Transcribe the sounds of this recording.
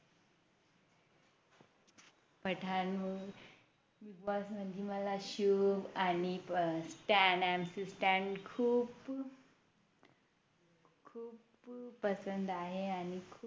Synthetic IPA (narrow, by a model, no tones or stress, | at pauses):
pəʈʰanməɡ | ʋiɡʋɔsməiməlaɕubanisʈænɖæmsisʈɛ̃ɳʈkʰuːp | kʰuːp | pəsənd̪aɦeanikʰː